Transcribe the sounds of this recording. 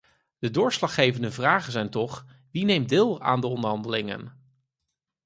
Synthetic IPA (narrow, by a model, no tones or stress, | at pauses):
d̥ədʊːɹslɑχːejvəndəvraːχənzɛjntɔχ | ʋinejm̚dɪːlˠa̰ːndəɔndəɹɦɑndəlɪŋə̰n